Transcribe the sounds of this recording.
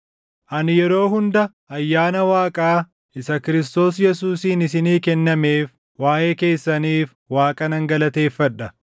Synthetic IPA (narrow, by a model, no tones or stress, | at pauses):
ʔɐnɪjɛɾo̞ːɦʊnd̪ɐ | ɐjːaːnɐwaːkʼaː | ɪsɐkɪɾɪst̪o̞ːs̬jɛsuːsiːnɪsɪniːkɛnːɐme̞ːf | waːjʔe̞ːke̞ːsːɐniːf | waːkʼɐnɐŋɡɐlɐt̪e̞ːfːɐᶑɐ